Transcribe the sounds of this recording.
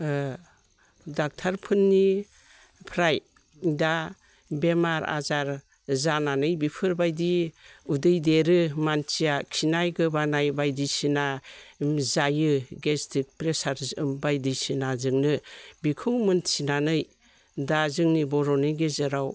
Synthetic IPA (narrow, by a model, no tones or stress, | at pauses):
dak̚tʰaɾpʰɯnːi | pʰɾaj | da | bemaɾa̰zaɾ | zananɯjbipʰɯɾbajdiudɯjdeɾɯmant͡ʃijakʰinajɡɯbanajbajdisina | zajɯɡestʰik̚pɾesaɾzɯmbajdisinazɯŋnɯbikʰɯwmɯnsʰinanɯj | dazɯŋnibɔɾɔnɯjɡezɯɾaw